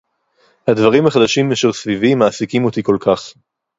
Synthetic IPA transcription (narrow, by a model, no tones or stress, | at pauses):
had̪vaʁimhaχad̪aʃimːeʃeʁsvivimaːsikimot̪iko̞lkaχ